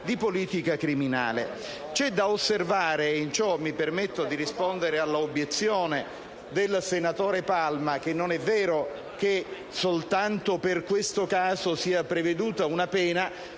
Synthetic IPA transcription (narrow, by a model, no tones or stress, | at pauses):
d̪ipoliːt̪ikakɾimina̰ːlḛ | t͡ʃɛd̪aosːervaːɾeint͡ʃɔmːipermet̪ːod̪iɾispond̪eɾealːaobjet̪sːjoːne | d̪elsenat̪oːɾepalmak̟enːonɛvːɛːɾo | k̟e | solt̪ant̪operkwest̪okaːzosiːapɾeved̪uːt̪aunapɛːna